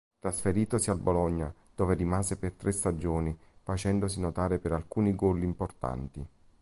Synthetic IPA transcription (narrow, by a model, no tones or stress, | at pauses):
t̪ɾasfeɾiːt̪osialbolɔɲːa | d̪̥oːverimaːzepert̪ɾʔɛst̪ad͡ʒoːnifat͡ʃɛnd̪os̬inot̪aːɾepeɾalkuːniɡɔlːiːmport̪a̰nt̪i